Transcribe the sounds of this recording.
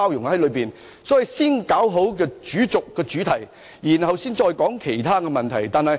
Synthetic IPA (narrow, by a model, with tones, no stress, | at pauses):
aː˥wjʊ˨˩ŋhɐ˨˥jlɵ˨˧ɥpiː˨˩n | sɔː˨˥ji˨jsiː˥nkaː˨˥wɦo˨˥wkɛː˧t͡ʃyː˨˥t͡sʊ˨kːɛː˧t͡ʃyː˨˥t̪ʰɐ˨˩j | jiː˨˩nɦɐ˨wsiː˥nt͡ʃɔː˧jkɔː˨˥ŋkʰe˨˩jt̪ʰaː˥kɛː˧mɐ˨nt̪ʰɐ˨˩jt̪aː˨nhɐ˨j